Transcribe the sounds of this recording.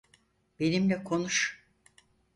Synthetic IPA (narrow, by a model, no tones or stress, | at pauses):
be̞nimlʲɛkʰo̞nuʃ